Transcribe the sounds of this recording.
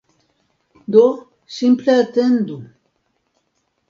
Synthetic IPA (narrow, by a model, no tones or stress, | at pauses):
d̪o | simpleat̪end̪u